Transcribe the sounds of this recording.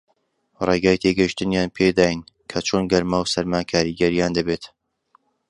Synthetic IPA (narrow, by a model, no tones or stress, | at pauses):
reɡaːjt̪ʰeɡɐjʃt̪ɨnjaːnpʰed̪aːjinkʰɐt͡ʃʰoːnɡɐɾmaːwsɐɾmaːkʰaːɾiːɡɐɾijaːnd̪ɐbeːt̪